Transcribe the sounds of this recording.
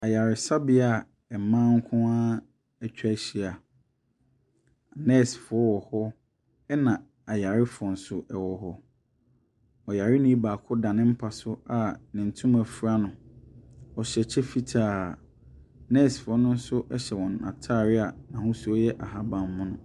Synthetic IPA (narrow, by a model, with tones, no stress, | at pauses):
a˨ja˨ɾɪ˨sa˦bɪ˨˦a˨ | ɛ˨mãː˦ŋ̩˦kʰʊ̃˦a˦ | ɛ˨t͡ɕᶣa˦ɕi˨a˨ | nɛ˦˨sfʊ˨ɔ˦wɔ˨hɔ˦ | ɛ˦nã˨ | a˨ja˨ɾɪ˦fʊ˨ɔ˨n̩˨sʊ˨ʔɛ˨wɔ˨hɔ˦ | ɔ˨ja˨ɾɪ˦nĩ˦baː˨kʰʊ˦dã˨nɪ̃˦m̩˦pʰa˨sʊ˦a˨nɪ̃˨n̩˨tʰũ˦m˦æ˨fu˨ɾa˦nʊ̃˨ | ɔ˨ɕɛ˨t͡ɕʰɛ˦fi˦tʰaː˦˨ | nɛ˦˨sfʊ˨ɔ˦nʊ̃˦n̩˦sʊ˦ʔɛ˦ɕɛ˨wɔ̃˨na̰˨tʰa˦˨ɾɪ˦a˨nã˨hʊ̃˦su˦ɔ˦jɛ˦ʔa˨ɦa˦bã˨mː˦ʊ̃˦nʊ̃˨